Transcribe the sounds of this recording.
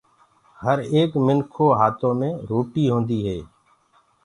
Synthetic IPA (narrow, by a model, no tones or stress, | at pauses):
həɾeːkmɪnkʰoːɦaːt̪ʰõːmẽːɾoːʈiːɦõːnd̪iːɦeː